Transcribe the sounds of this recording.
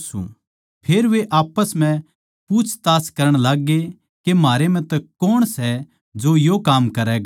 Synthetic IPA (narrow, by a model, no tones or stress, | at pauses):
sṵ̃ | pʰeːɾʋeʔaːpəsm̤ɛ̃ | puːt͡ʃʰt̪aːskɐɾəɽ̃laːɡe | kemaːɾemɛ̃t̪ɛkoːɽ̃sɛ | d͡ʒojoːkaːmkɐɾɛɡa